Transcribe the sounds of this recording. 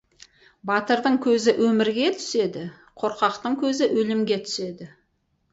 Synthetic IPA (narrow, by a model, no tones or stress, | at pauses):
bɑt̪əɾd̪əɴkʲʰɵzɪʔwʔɵmɪɾɡʲe̞t̪ʰʏ̥se̞d̪ɪ | qʰo̞ɾqɑqt̪əɴkʲʰɵzɪʔwɵlɪmɡʲe̞t̪ʰʏ̥se̞d̪ɪ